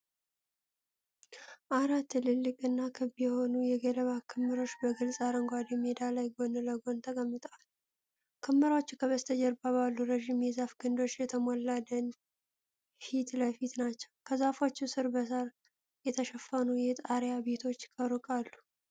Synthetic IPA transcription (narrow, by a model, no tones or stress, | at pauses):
ʔaɾat̪ːɨlɨlːɨkʼɨnːakʰɨbiɛho̞nujɛɡələβakʰɨmːɨɾo̞t͡ʃːbəɡɨlsʼaɾəŋɡʷad̪jɛmed̪alajɡo̞nɨləɡo̞nt̪ʰəɡəmːɨt̪ʼwal | kʰɨmːɨɾo̞t͡ʃːkʰəβəst̪ʰəd͡ʒɛɾbaβalːuɾeʒimjɛzafɡɨnd̪o̞t͡ʃːjɛt̪ʰəmolːad̪ən | fit̪ləfit̪nat͡ʃːəwkʰəzafo̞t͡ʃːusɨɾbəsaɾ | jɛt̪ʰəʃɛfənujɛt̪ʼaɾjabe̞t̪ʰo̞t͡ʃːkʼəɾukʼalːu